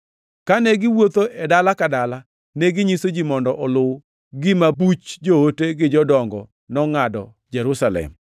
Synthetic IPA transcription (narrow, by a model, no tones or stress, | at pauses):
kaneɡɪwot̪oʔɛdalakadala | neɡɪɲisod͡ʒimɔndɔʔɔlʊw | ɡɪmabut͡ʃd͡ʒohoteɡɪd͡ʒɔdɔŋɡɔ | nɔŋadɔ | d͡ʒɛɾusalɛ̰m